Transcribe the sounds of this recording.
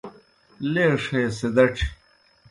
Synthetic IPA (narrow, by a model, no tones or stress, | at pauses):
leːʂeːsed̪ɐʈ͡ʂʰ